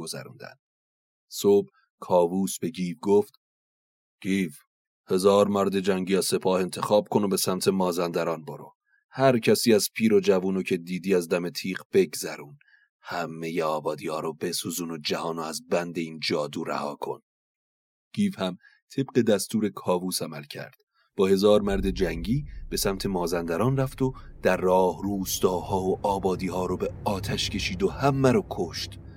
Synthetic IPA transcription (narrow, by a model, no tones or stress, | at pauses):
ɡozæ̰ɾṵnd̪æ̰n | sob | kʰɒːvuːsbe̞ɟiːvɡoft̪ | ɡ̥iːv | he̞zɒːɾmæɾd̪e̞d͡ʒæŋɟiːɒse̞pʰɒːhe̞nt̪ʰexɒːb̥̚kʰo̞nobe̞sæmt̪ʰe̞mɒːzænd̪æɾɒːnboɾo̰ | hæɾcʰæsiːæz̥pʰiːɾod͡ʒævuːnocʰe̞d̪iːd̪iːæzd̪æme̞t̪ʰiːqb̥e̞ɡzæɾuːn | hæmːe̞jeɒːbɒːd̪iːɒːɾobe̞suːzuːnod͡ʒæhɒːnoæzbænd̪e̞iːnd͡ʒɒːd̪uːɾæ̰hɒːkʰo̞̰n | ɡ̥iːvhæm | t̪ʰeb̥ɢe̞d̪æst̪uːɾe̞kʰɒːvuːsæmælcʰæ̰ɾd̪̥ | b̥ɒːhe̞zɒːɾmæɾd̪e̞d͡ʒæŋɟiːb̥e̞sæmt̪ʰe̞mɒːzænd̪æɾɒːnræft̪o̞d̪̥æɾːɒːhruːst̪ɒːhɒːoʔɒːbɒːd̪iːhɒːɾɔbe̞ɒːt̪ʰæʃcʰe̞ʃiːd̪o̞hæmːæɾɒːkʰo̞ʃt̪